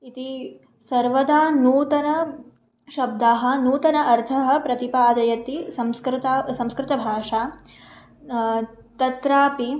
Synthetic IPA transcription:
it̪i | sɐɾʋɐd̪aːnuːt̪ɐnɐ | ʃɐb̚d̪aːɦɐ̆nuːt̪ɐnɐʔɐɾt̪ʰɐɦɐ̆pɾɐt̪ipaːd̪ɐjɐt̪isɐmskɾt̪aːsɐ̃mskɾɪt̪ɐbʱaːʂaː | t̪ɐt̪ɾaːpi

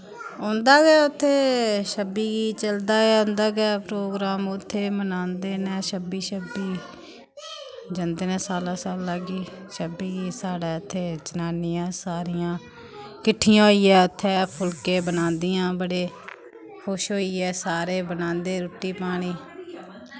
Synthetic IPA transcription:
õːnd̪aːɡɛːʊt̪ʰːeːʃəbiːɡiːt͡ʃəld̪aːɡɛːʊ̃nd̪aːɡɛːpɾoːɡɾaːmʊt̪ʰːeːmənãːnd̪eːnɛ̃ːʃəbiːʃəbiː | d͡ʒənd̪eːnɛ̃ːsaːlaːsaːlaːɡiː | ʃəbiːɡiːsaːɽɛːʊt̪ʰːeːt͡ʃənaːniːãːsaːɾijãː | kɪʈʰːɪjãːɦoːiːɛːʊt̪ʰːeːpʰʊlkẽːbənãːnd̪iːjãːbəɽeː | kʰʊʃɦoːiːɛːsaːɾeːbənãːnd̪eːɾʊʈːiːpaːɽ̃iː

